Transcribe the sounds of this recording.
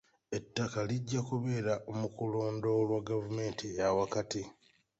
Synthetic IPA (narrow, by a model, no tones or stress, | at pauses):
e̞tːakaliɟːakuβe̞ːɾaʔomukulo̞ːndo̞lwaɡavume̞ːntʰiawakati